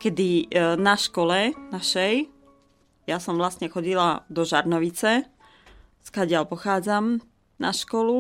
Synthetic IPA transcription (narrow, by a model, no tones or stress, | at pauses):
kɛd̪inaʃkɔlɛnaʃɛj | jasɔmʋlasɲɛxɔɟilad̪ɔʒaɾnɔʋit͡sɛ | skaɟɪalpɔxaːd͡zam | naʃkɔlu